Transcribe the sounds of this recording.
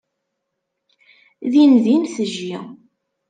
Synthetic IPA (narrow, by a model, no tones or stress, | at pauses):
ðinðinθəʒːi